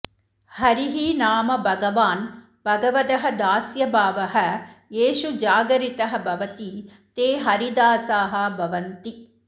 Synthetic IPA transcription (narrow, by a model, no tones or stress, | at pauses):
hɐɾiɦinaːmɐbʱɐɡɐʋaːn | bʱɐɡɐʋɐd̪ɐɦɐ̆d̪aːsjɐbʱaːʋɐɦɐjeːʃud͡ʒaːɡɐɾit̪ɐɦɐ̆bʱɐʋɐt̪i | t̪eːɦɐɾid̪aːsaːɦɐbʱɐʋɐnt̪i